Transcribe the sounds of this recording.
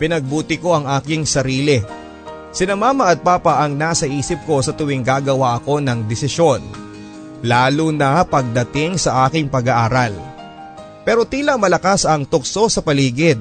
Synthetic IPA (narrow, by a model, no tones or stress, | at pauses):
pɪnɐɡ̚buːt̪ɪko̞ʔɐŋʔaːkɪŋsɐɾiːlɪ | sɪnɐmaːmɐʔɐd̪̚paːpɐʔɐŋnaːsɐʔiːsɪp̚ko̞sɐt̪ʊwɪŋɡaːɡɐwaʔɐko̞nɐŋd̪ɪsɪʃjo̞n | laːlunɐpɐɡ̚d̪ɐt̪ɪŋsɐʔaːkɪŋpɐɡaʔaːɾɐl | pɛːɾo̞t̪iːlɐmɐlɐkasɐŋt̪ʊk̚so̞sɐpɐliːɡɪd̪̚